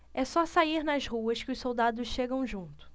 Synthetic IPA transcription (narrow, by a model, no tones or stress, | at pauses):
ɛsɔsaiɾnɐzhuɐskɪʊssowd̪ad̪ʊsʃeɡɐ̃w̃ʒũnt̪ʊ̥